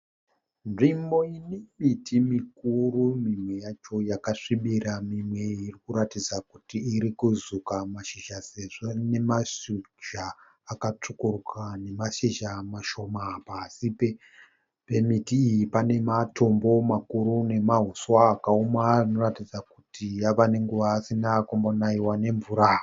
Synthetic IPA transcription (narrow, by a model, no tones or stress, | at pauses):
nʐimbo̞inemitʰimik̚uɾumimwe̞jat͡ʃo̞jakaʂiɓiɾamimwe̞irikuɾatid͡zakutiːɾikuzukamaʃiʒaseʐene̞maʃu | d͡ʒaː | kat͡ʂukurkane̞maʃiʒamaʃo̞mapasipe | pe̞mitiːjipane̞mato̞mbo̞makuɾune̞maɦuswaːkaomarino̞ratid͡zakutijaʋane̞ŋɡuʋaːsinakombonaiwane̞ɱvuɾa